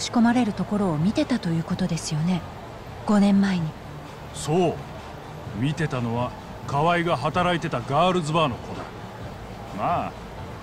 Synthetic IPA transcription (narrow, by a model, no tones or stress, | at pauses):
ɕi̥ko̞maɾe̞ɾɯ̟t̪o̞ko̞ɾo̞ːmʲit̪e̞t̪at̪o̞jɯ̟ːko̞t̪o̞d̪e̞sɨjo̞ne̞ | ɡ̥o̞nẽ̞mːaeɲ̟i | so̞ː | mʲit̪e̞t̪ano̞βa | kaβaiɡaɦat̪aɾait̪e̞t̪aɡaːɾɯ̟zɨbaːno̞ko̞d̪a̰ | maː